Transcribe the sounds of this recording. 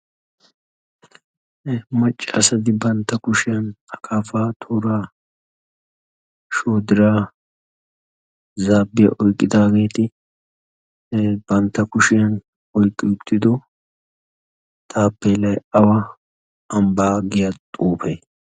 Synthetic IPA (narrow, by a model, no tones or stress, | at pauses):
mɐt͡ʃʼːɪɐ̰sɐd̪ɪbɐnt̪ːɐkʊʃɪjɐnɐkʰaːfaːt̪ʰuːɾaː | ʃoːd̪ɪɾaː | zaːbːɪjɐ̰ʔɔjkʼːɪd̪aːɡe̞ːt̪ɪ | b̥ɐnt̪ːɐkʊʃɪjɐn | ɔjkʼːɪjʊt̪ːɪd̪ɔ | t̪ʰaːpːeːlɐjɐwɐ | ɐmbaːɡɪjɐt̪ʼuːfe